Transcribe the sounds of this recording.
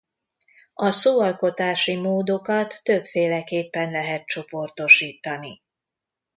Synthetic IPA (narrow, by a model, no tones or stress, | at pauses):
ɒsoːɒlko̞t̪aːʃimoːd̪o̞kɒt̪ːøpfeːlɛkeːpːɛnlɛɦɛt̪̚t͡ʃo̞po̞rt̪o̞ʃiːt̪ɒni